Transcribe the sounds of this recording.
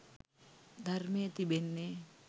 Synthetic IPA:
d̪armet̪ibenːe

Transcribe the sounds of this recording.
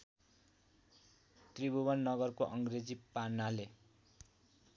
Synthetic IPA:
t̪ribʱuwʌnːʌɡʌrkoʔʌŋɡred͡zipanːale

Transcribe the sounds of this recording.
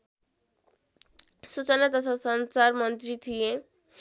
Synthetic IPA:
sut͡ɕanat̪ɔt̪ʰasɔnt͡ɕaɾmɔnt̪ɾit̪ʰie

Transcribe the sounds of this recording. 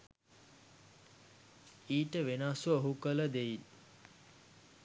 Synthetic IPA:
iːʈəʋenasəoɦukələd̪eʋit̪

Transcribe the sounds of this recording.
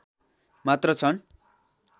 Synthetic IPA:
mat̪rʌt͡sʰʌn

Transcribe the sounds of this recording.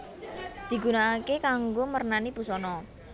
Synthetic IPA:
d̪̥i̤ɡ̥ṳnaːkekaŋɡomərnanib̥ṳsɔnɔ

